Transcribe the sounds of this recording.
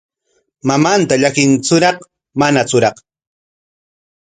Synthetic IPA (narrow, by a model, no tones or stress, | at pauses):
mamant̪aʎakɪnt͡sʊɾɑχ | manat͡sʊɾɑq